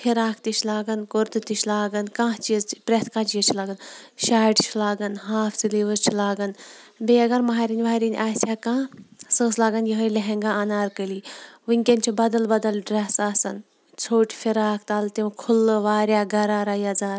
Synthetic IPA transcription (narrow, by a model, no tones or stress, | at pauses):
fʰiɾaːkʰt̪it͡ʃʰlaːɡɐnkoɾt̪ɨt̪it͡ʃʰlaːɡɐnkãːt͡ʃizpɾet̪ʰkãːt͡ʃijɐt͡ʃʰilaːɡɐnʃaːʈt͡ʃʰilaːɡɐnɦaːft͡siliːʋɐɾt͡ʃʰilaːɡɐnbeːɐɡɐɾmɐɦaːɾinʲʋaːɾinʲʔaːsʲaːkãːsə̃ːslaːɡɐnjɐɦɐlɐɦeŋɡãːɐnaːɾkəliːʋɨŋʲkʲenʲt͡ʃʰibɐd̪ɐlbɐd̪ɐlɖɾɐsaːsɐn | t͡sʰoːʈʰʲfʰiɾaːkʰt̪aːlt̪imkʰʊlːɨʋaːɾʲjaːɡɐɾaːɾaːjɐd͡zaːɾ